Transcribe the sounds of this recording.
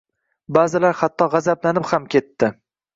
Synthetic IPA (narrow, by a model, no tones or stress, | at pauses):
bazɪlaɾhat̪ʰːɒʁɑzablanɪphamkʲʰe̞t̪ʰːɪ